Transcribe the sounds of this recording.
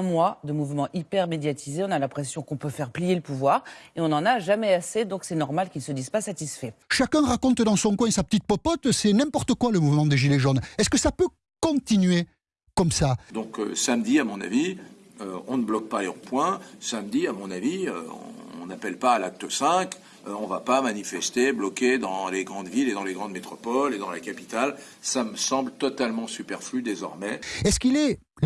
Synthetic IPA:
ɛ̃mwad̪əmuvmɑ̃ʔipɛʁmed̪jat̪ʰizeɔ̃nalɛ̃pχesjɔ̃kɔ̃pøfɛʁplijeləpuvwaːʁeɔ̃nɑ̃naʒamɛased̪ɔ̃ksɛnɔʁmalkʲilsəd̪izpasat̪isfɛʃakɛ̃ʁakɔ̃t̪d̪ɑ̃sɔ̃kwɛ̃sapə̥t̪it̪̚pɔpɔt̪sɛnɛ̃pɔʁt̪əkwaləmuvmɑ̃d̪eʒileʒɔnɛskəsapø | kɔ̃t̪inɥe | kɔmsad̪ɔ̃kø̰samd̪iamɔ̃na̰vi | øɔ̃nəblɔk̚paleʁopwɛ̃samd̪iamɔ̃naviø̰ɔ̰̃ɔ̰̃napɛlpaːlak̚t̪əsɛ̃k | ɔ̃vapamanifɛst̪eblɔkʲed̪ɑ̃leɡʁɑ̃d̪viled̪ɑ̃leɡʁɑ̃d̪met̪χɔpɔled̪ɑ̃lakapi̥t̪al | saməsɑ̃blət̪ɔt̪almɑ̃sypɛʁflyd̪ezɔ̰ʁmɛɛskilɛ

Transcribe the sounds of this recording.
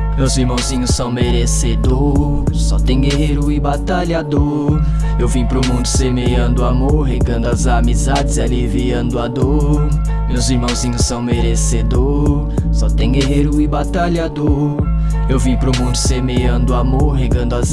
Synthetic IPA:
mewziɾmɐ̃w̃zĩɲʊsɐ̃w̃meɾesed̪oɾ | sɔt̪ẽj̃ɡeɦeɾʊibat̪aʎad̪o | ewvĩpɾʊmũnd̪ʊsemeɐ̃nd̪ʊamoɾɦeɡɐ̃nd̪ʊazamizad͡ʒɪzaliviɐ̃d̪ʊad̪o | mewziɾmɐ̃w̃zĩɲʊsːɐ̃w̃meɾesed̪o | sɔt̪ẽj̃ɡeɦeɾʊibat̪aʎad̪oɾ | ewvĩpɾʊmũnd̪ʊsemeɐ̃d̪ʊamoɾɦeɡɐ̃nd̪ʊaz

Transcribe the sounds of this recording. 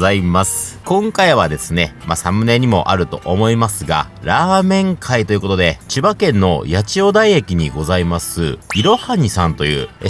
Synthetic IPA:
aimasɨ̥kõ̞ŋkaiβ̞ad̪e̞sɨne̞masamɯ̟neɲ̟imo̞̰ʔaɾɯ̟t̪o̞ʔomo̞imasɨɡa̰ | ɾaːmẽ̞ŋkʰait̪o̞iɯ̟kot̪o̞d̪e̞t͡ɕibakẽ̞nːo̞̰jat͡ɕio̞d̪aiekʲiɲ̟iɡo̞zaimasɨiɾo̞haɲ̟isãnt̪o̞jɯ̟̰ː

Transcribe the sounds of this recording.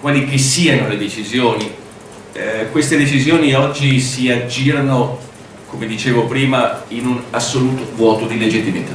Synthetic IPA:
kwaːlikisːiːanoled̪et͡ʃizjoːni | kwest̪ed̪et͡ʃizjoːniɔd͡ʒːisiad͡ʒːiːɾano | komed̪it͡ʃeːvopɾiːmainunasːoluːt̪ovwɔːt̪od̪iled͡ʒit̪ːimit̪a

